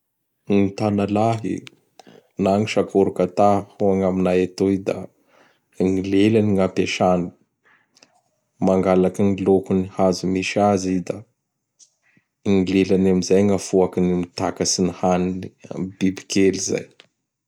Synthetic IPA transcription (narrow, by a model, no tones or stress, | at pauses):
ŋit̪analaɦḭ | naŋiʃakoɾukat̪ahuaŋaminajat̪oid̪a̰ | ŋilelaniŋapeʃani̥ | maŋɡalakiŋilokunihazumiʃiazid̪a | ŋilelanamizajŋafuakinimit̪akasinihaninibibi̥kʰeliza̰j